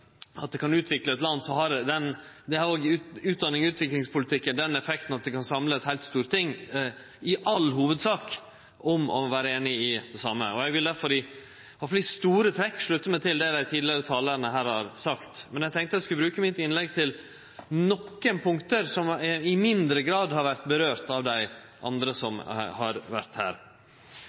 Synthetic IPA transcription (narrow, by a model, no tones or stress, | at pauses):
ɑt̪̚d̪ɛkʰɑnʉːt̪ʰʋɪkləɛt̪lɑnsɔɦɑɾd̪ɛnd̪ɛhɑɾoːɡʉʉːt̪̚d̪ɑnːɪŋʉːt̪ʋɪklɪŋspʰʊlɪt̪ʰɪkːənd̪ɛnːɛfɛkt̪nɑt̪̚d̪ɛkɑnsɑmləɛt̪hæɪlt̪st̪uːɾt̪ɪŋː | ɪʔɑlɦuːʋəd̪sɑːk | ʔɔmɔ̰ʋæːɾəeːnɪɪd̪ɛsɑmːə̰ɔæɪɡʋɪld̪æɾfɔɾɪ | ɑflɪst̪uːɾət̪ʰɾɛkːʂɭʉt̪ːəmɛt̪ʰɪld̪ɛd̪æɪt̪ʰiːd̪lɪəɾət̪ʰɑːləɾnəɦæːɾhɑɾsɑkt̪mɛnjæɡ̚t̪ɛŋkt̪əd̪ɛskʉlbɾʉːkəmɪt̪ɪnlɛɡ̚t̪ʰɪl | nɔkːənpʰʊŋkt̪əɾsɔmɪmɪnd̪ɾəɡɾɑːd̪hɑɾʋæɾt̪bəɾøːɾt̪ɑʋd̪æɪ | ʔɑ̰nd̪ɾəsɔmhɑɾʋæɾt̪hæ̰ːɾ